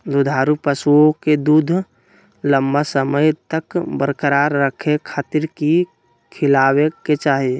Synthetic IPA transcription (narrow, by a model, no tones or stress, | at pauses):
d̪ud̪ʱaːɾupəsuõked̪uːd̪ʱ | ləmbasəməjt̪əkbəɾkəɾaːɾːəkʰekʰaːt̪ɪɾki | kʰɪlaːweket͡ʃaːɦie